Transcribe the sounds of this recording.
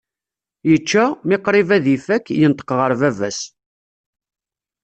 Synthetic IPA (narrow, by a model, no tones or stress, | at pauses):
jət͡ʃːæmɪqɾˤivæðifækːjənt̪ˤə̥qʁəɾˤvævæs